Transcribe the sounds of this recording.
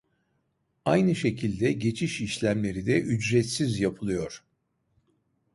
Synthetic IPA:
ajnɯʃe̞cʰilʲd̪ɛɟe̞t͡ʃʰiʃiʃlʲæmlʲe̞ɾid̪ɛʔyd͡ʒɾɛt̪sizjapʰɯlˠɯjo̞ɾ̥

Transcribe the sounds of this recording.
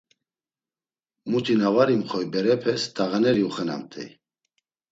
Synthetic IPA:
mut̪ʰʼinavaɾimχɔjbɛɾɛpʰɛst̪aɣanɛɾiuχəna̰mt̪ʰʼɛ̰

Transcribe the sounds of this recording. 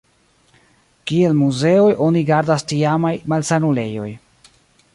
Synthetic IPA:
kie̞lmuze̞o̞jʔo̞niɡaɾdastiamajmalsanule̞jo̞j

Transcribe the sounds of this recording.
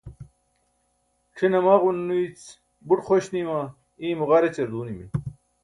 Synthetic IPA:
ʈ͡ʂʰinɐmaːʁunːuit͡s | buʈχoɕnima | iːmuʁaɾet͡ɕeɾd̪uːnimḭn

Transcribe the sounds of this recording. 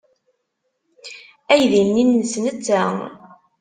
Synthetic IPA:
æjðinːinːəsnət͡sːæ

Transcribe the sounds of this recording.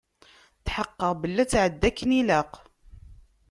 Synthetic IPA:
θħəqːəʁbəlːæt͡sːʕəd̪ːækːənilaq

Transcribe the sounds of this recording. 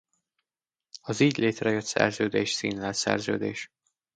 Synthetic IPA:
ɒziːɟleːt̪rɛjøt̪sɛ̰rzøːd̪eːʃsiːnlɛlt̪sɛ̰rzø̰ːd̪eːʃ

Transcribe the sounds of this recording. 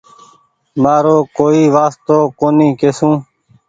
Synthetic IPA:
maːɾoːkoːiːʋaːst̪oːkoːnĩːkeːsũː

